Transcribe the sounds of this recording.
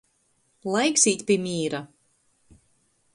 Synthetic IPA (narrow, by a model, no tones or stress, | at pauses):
lˠajksiːt̪ʲpʲimʲiːɾa